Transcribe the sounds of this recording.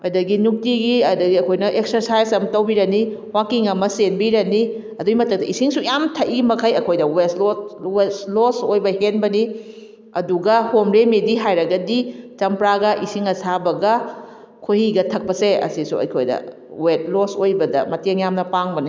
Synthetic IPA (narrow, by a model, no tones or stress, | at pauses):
ɐjdɐɡinuk̚tiɡiɐdɐɡiɐkʰojnɐʔek̚sɐɾsajsɐmtɐwbiɾɐniwakiŋɐmɐsenbiɾɐni | ɐduɡimɐtʰɐk̚tɐisiŋsujamtʰɐʔiimɐkʰɐjɐkʰojdɐwesloweslosojbɐhenbɐni | ɐduɡɐhomɾemediɦajɾɐɡɐdit͡ʃɐmpɾaɡɐʔisiŋɐsabɐɡɐ | kʰohiɡɐtʰɐk̚pɐseɐ̰sisuɐ̰jkʰojdɐ̰ | wet̚losojbɐdɐ̰mɐteŋjamnɐpaŋbɐni